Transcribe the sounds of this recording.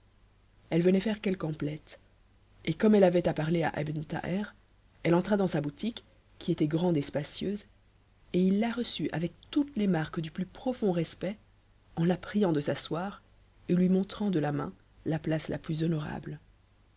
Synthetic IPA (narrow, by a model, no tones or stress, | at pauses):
ɛlvənɛfɛʁkʲɛlkɑ̃plɛt̪ | ekɔmɛlavɛt̪apaʁlea̰ʔa̰bnt̪a̰ʔɛʁ | ɛlɑ̃t̪χad̪ɑ̃sabut̪ikʲː | iet̪ɛɡʁɑ̃d̪espasjøːz | eilːaʁəsyʔa̰vɛk̚t̪ut̪lemaʁkd̪yplypχɔfɔ̃ʁɛspɛ | ɑ̃lapχijɑ̃d̪əsaswaːʁ | elɥimɔ̃t̪χɑ̃d̪əlamɛ̰̃ | laplasla̰plyzɔnɔʁa̰bl